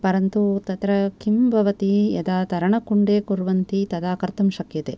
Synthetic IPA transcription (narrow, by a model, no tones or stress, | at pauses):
pɐɾɐnt̪ut̪ɐt̪ɾɐkʰimbʱɐʋɐt̪ijɐ̰d̪aːt̪ɐɾɐɳɐkuɳɖeːkuɾʋɐnt̪it̪ɐd̪aːkɐɾt̪ɐmʃɐkjɐt̪e